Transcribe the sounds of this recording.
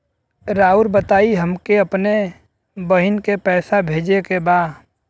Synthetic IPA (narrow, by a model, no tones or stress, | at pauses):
ɾaːuɾbət̪aːiɦəmkeɐpne | bəɦɪnkepɛːsabʱeːd͡ʒekebaː